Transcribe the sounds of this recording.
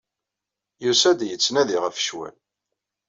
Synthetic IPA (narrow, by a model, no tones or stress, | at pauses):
jusæd̪jət͡sːnæðiʁəfə̥ʃwæ̰l